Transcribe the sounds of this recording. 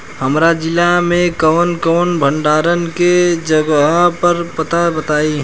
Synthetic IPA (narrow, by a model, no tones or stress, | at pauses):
həmɾad͡ʒɪlamẽkəʋnkəːnbʱəɳɖaːɾənked͡ʒəɡɦpəɾpət̪abət̪aːi